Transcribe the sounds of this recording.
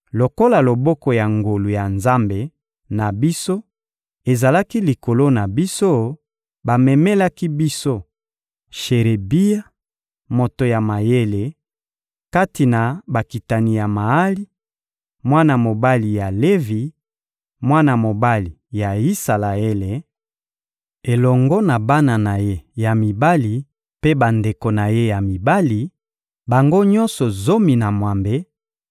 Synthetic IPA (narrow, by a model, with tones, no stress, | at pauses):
lo˨ko˦la˨lo˨bɔ˦kɔ˨ja˨ŋɡo˨lu˨ja˨nza˦mbe˨ | na˨bi˦so˦ | e˨za˨la˦ki˦li˨ko˨lo˦na˨bi˦so˦ | ba˨mɛ˨me˦la˦ki˦bi˦so˦ | ʃe˨ʁe˨bi˦ja˦ | mo˨to˨ja˨ma˨je˦le˨ | ka˦ti˨na˨ba˨ki˨ta˨ni˨ja˨ma˨a˦li˦ | mwa˦na˨mo˨ba˦li˨ja˨le˦vi˨ | mwa˦na˨mo˨ba˦li˨ja˨i˦sa˨la˨e˦le˨ | e˨lɔ˨ŋɡɔ˦na˨ba˦na˨na˨je˦ja˨mi˨ba˦li˨ | pe˦ba˨nde˨ko˨na˨je˦ja˨mi˨ba˦li˨ | ba˨ŋɡo˦ɲɔ˦nsɔ˨zo˦mi˨na˨mwa˨mbe˦